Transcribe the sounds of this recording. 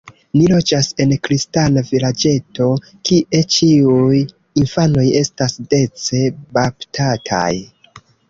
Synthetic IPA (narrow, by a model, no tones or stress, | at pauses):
nilo̞d͡ʒase̞nkɾistanavilad͡ʒe̞to̞ | kiʔe̞t͡ʃiuj | infano̞je̞stasde̞t͡se̞baptʰatʰa̰j